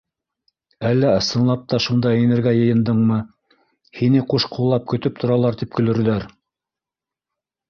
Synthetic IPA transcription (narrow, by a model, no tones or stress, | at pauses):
ælːæɤ̆sɤ̆nlˠɑp̚t̪ɑʃund̪ɑjɘ̆nɘ̆ɾɡæjɤ̆jɤ̆nd̪ɤɴmɤ | hinɘquʃqulˠːɑp̚kɵ̆t̪ɵp̚t̪ʰŏɾɑlˠɑɾt̪ip̚kɵ̆lɵ̆ɾ̆ðæɾ